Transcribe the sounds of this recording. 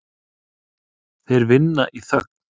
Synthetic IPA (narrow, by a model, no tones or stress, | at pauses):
θejɾvɪnːa̰ʔiθœk̚n̥